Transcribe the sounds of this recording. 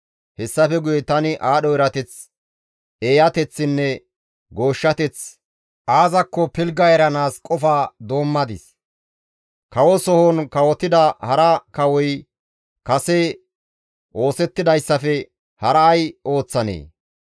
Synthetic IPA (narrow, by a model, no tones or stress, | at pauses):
hɛsːɐfɛɡʊjɛt̪ɐnɪʔaːɗɔɪɾɐt̪ɛt͡s | eːjɐt̪ɛt͡sːɪnːɛ | ɡo̞ːʃːɐt̪ɛt͡s | ʔaːzɐkːɔpɪlɡɐɛɾɐnaːskʼɔfad̪o̞ːmːɐd̪ɪs | kɐwɔsɔhɔnkɐwɔt̪ːɪd̪ɐhɐɾɐkɐwɔj | kɐsɛ | ʔo̞ːsɛt̪ːɪd̪ɐjsːɐfɛ | hɐɾɐːjʔo̞ːt͡sːɐnḛː